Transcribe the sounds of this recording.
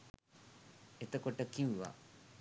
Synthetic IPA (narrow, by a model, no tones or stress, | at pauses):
et̪əkoʈəkiʋʋa̰